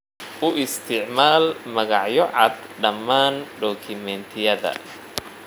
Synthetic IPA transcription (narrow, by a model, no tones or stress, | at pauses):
ʔʊʔɪst̪ʰɪʕmaːlmɐɣɑʕjɔʕɑd̪ | ɖɐmːaːnɖɔːkʰɪmɛnt̪ʰɪjɐðɐ̰